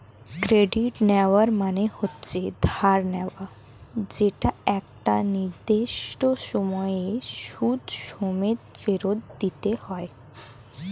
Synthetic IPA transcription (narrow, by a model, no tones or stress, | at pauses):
kɾeɖiʈnɛʋaɾmanehotːt͡ɕed̪ʱaɾnɛwa | d͡ʑeʈaɛk̚ʈaniɾd̪eʃʈoʃɔmɔjeʃudʃomet̪feɾod̪ːit̪ehɔe